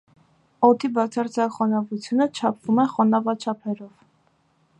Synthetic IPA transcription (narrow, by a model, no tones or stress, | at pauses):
ɔt̪ʰibɑt͡sʰɑɾt͡sʰɑkχɔnɑvut͡sʰjunət͡ʃʰɑpʰv̥umɛχɔnɑvɑt͡ʃʰɑpʰɛɾɔv